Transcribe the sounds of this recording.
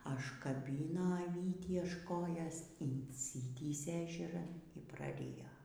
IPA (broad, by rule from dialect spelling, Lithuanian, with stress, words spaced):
ɐʃkɐˈbʲiːnoː ɐˈʋʲiːtʲiː ɐʃ ˈkoːjoːs ɪnʲsʲɪˈtʲiːsʲeː ɛʒʲɛˈrɐn iː prɐˈrʲɪjoː